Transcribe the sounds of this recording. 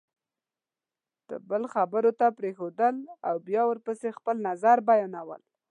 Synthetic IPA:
d̪̥ə̰bəlxabəɾot̪apɾexod̪əlawbjɑwəɾpəsexpəlnazaɾbajɑnawə̰l

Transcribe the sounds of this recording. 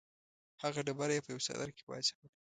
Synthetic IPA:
haɣaɖabaɾajepəjawsa̰d̪a̰ɾke̥bɑ̰jzawaɽi

